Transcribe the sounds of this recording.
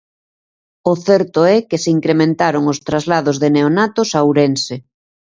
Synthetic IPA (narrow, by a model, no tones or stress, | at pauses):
oθɛɾt̪oɛkeseiŋkɾemẽnt̪aɾoŋost̪ɾazlað̞ozðeneonat̪osawɾense